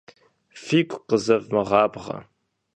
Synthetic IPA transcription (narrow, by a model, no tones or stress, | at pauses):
fiːkʷʰʼqəzɐvmɨʁɑːbʁɐ̰